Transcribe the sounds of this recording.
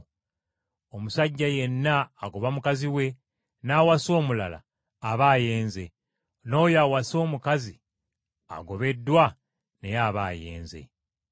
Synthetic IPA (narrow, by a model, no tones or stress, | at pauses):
o̞musaɟːaje̞nːaːɡo̞βamukaziwe̞ | naːwaso̞ːmula̰la̰ː | βaːje̞ːnze̞ | no̞ːjawaso̞ːmukazi | a̰ɡo̞βe̞dːwa | ne̞jaβa̰ːje̞̰ːnze̞̰